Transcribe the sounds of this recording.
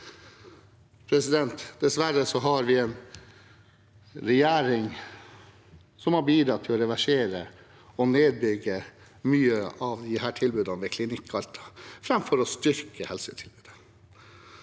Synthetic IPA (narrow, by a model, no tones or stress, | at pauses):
pʰɾɛsɪd̪ɛnt̪d̪̥ɛsʋæɾəsɔɦɑɾʋɪɛn | ɾɛjæːɾɪŋ | sɔmhɑɾbiːd̪ɾɑt̪ʰːɪlɔɾɛʋæʂeːɾə | ɔneːd̪̚bʏɡə | myːəʔɑʋd̪ɪhæːʈʰɪlbʉːd̪ɑnʋɛkʰlɪnɪkʰːɑlt̪ʰɑ̥fɾɑmfɔɾɔst̪ʏɾkəhɛlsət̪ʰɪlbʉːd̪ə̥